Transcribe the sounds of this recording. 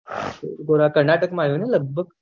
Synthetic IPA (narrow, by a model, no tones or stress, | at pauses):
uɾɡoɾakəɾnaʈəkmaɦuːneləɡ̚bəɡ̚